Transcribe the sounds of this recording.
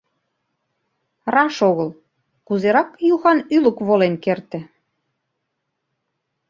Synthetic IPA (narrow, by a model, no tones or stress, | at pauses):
rɑʃoɣɤl | kuzeɾɑkjuxɑnylə̆kβolenkert̪ɘ̆